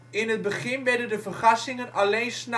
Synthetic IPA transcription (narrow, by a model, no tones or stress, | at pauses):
ɪnɦəd̚bəχɪnʋɛɹdəndəvərχɑsɪŋənɑlejnsn